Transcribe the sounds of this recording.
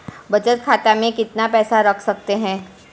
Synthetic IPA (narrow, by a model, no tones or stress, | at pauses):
bɐd͡ʒət̪̚kʰaːt̪amẽkɪt̪napɛːsaɾɐkʰsɐk̚t̪eɦɛ̃ː